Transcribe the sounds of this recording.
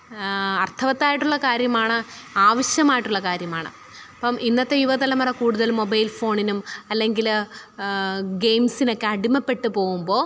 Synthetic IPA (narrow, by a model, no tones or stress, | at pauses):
ɐrt̪ʰɐʋɐt̪ːaːjiʈːuɭːɐkaːɾjɐmaːɳɨaːʋɐɕjɐmaːjiʈːuɭːɐkaːɾjɐmaːɳɨ̰ | ɐpːɐmʔinːɐt̪ːe̞juʋɐt̪ɐlɐmɐrɐkuːɽuðɐlmːobɐjlfo̞ːɳinumɐlːe̞ŋɡil | ɡe̞jmsino̞kːeɐɽimɐpːe̞ʈːɨpo̞ːɣumbo̞ː